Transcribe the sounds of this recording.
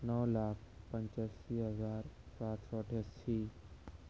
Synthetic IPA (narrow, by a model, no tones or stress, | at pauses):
nəʋlaːk̚ʰpə̃ɲt͡ʃasiɦəzaːɾsaːt̪sɔʈʰəsʃi